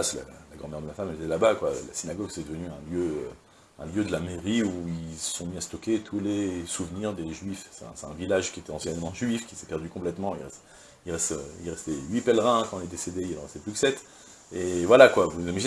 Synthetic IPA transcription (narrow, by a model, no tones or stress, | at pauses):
sla̰laɡʁɑ̃mɛʁd̪əmafamɛlet̪ɛlabakwa̰la̰sinaɡɔɡsɛd̪əvənyɛ̃ljøø | ɛ̃ljød̪əlameʁiuilə̥sɔ̃miast̪ɔkʲet̪ʰulesuvniʁd̪eʒɥifsɛɛ̃sɛt̪ɛ̃vilaʒkʲiet̪ɛɑ̃sjɛnmɑ̃ʒɥifkʲisɛpɛʁd̪ykɔ̃plɛt̪mɑ̃ḭlʁɛst̪ | ilʁɛst̪ḭlʁɛst̪ɛɥipɛlʁɛ̃kɑ̃ɛlɛd̪esed̪eilɑ̃ʁɛst̪ɛplykə̥sɛt̪ | evwalakwavunuzimaʒin